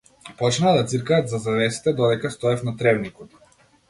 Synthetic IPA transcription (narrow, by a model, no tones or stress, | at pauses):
pɔt͡ʃnaːd̪at̪siɾkaːt̪zazavɛsi̥t̪ɛd̪ɔd̪ɛkast̪ɔɛfnat̪ɾɛvnikɔt̪